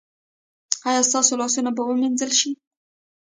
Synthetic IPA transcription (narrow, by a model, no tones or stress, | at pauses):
ɑjɑst̪ɑsolɑsunabawəminzəlʃi